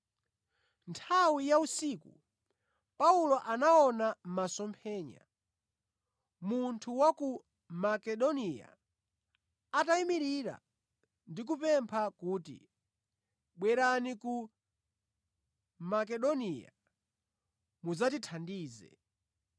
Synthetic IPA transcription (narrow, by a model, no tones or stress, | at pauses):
ntʰawijausiːkṵ | paulɔʔanaɔnam̩masɔmpʰɛːɲa̰ | muntʰuwaku | makɛɗɔnija̰ | ataimiɾiɾa̰ | ndik̬upɛmpʰakuːtḭ | ɓwɛɾaniku | mak̬ɛɗɔnija̰ | muzatitʰandiːzɛ̰